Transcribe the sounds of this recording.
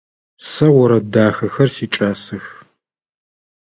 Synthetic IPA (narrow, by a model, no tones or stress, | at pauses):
sɐwɔɾɐdaːxɐxɐrsiːt͡ʃʼaːsɨx